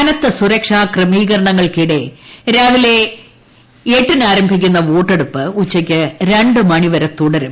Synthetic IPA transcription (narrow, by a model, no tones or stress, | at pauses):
nɐt̪ːɐsuɾɐkʂaːkrɨmiːɣɐɾɐɳɐŋːɐɭkiɽe̞ɾaːʋile̞ | eːʈːinaːɾɐmbʱikʲːunːɐʋoːʈːe̞ɽupːɨut͡ɕːɐkʲːɨɾeɳɖɨmɐɳiʋɐɾɐt̪ːuɽɐɾum